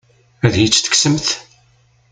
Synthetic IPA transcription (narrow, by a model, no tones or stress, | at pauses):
æðjit͡sːθə̥ksəmθ